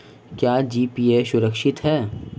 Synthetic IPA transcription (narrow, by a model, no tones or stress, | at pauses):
kjaːd͡ʒiːpiːeːʃʊɾəkʃɪt̪ɦɛː